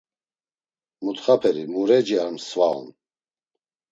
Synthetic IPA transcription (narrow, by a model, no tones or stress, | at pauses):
mut̪χapʰɛɾimuɾɛd͡ʒiaɾmsval̰n